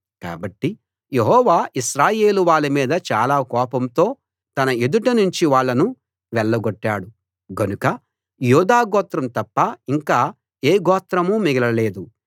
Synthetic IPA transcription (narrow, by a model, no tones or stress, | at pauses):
ka̰ːbɐʈːi | jeɦɔːʋaːʔiʃɾaːje̞ːluʋaːɭːimiːd̪ɐt͡ʃaːlaːkɔːpɐmt̪o̞ː | t̪ɐnɐed̪uʈɐnuɲt͡ʃiʋaːɭːɐnu | ʋɛɭːɐɡoʈːaːɽu | ɡɐnukɐ | juːd̪aːɡɔːt̪ɾɐmt̪ɐpːɐiŋkaː | eːɡɔːt̪ɾɐmuːmiɡɐlɐle̞ːd̪u